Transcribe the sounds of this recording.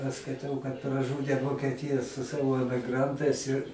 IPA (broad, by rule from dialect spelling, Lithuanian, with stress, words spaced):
ɐʃ skɐɪˈtɐʊ kɐt prɐˈʒuːdʲeː ʋoːkʲɛˈtʲɪjɛ sʊ ˈsɑːʋoː ɛmʲɪˈɡrɐntɐɪs ɪr